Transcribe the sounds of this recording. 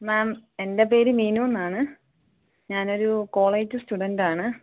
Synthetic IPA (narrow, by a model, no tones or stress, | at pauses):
naːme̞ndep̬e̞ːɾumiːnuːnːaːɳɨ | ɲaːno̞ɾuko̞ːɭeːd͡ʑɨstuɖɐndaːɳɨ